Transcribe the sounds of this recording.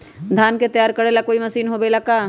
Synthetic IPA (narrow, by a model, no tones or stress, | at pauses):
d̪ʱaːnket̪ɐjaːɾkəɽelakoːimɐsiːnɦobelakaː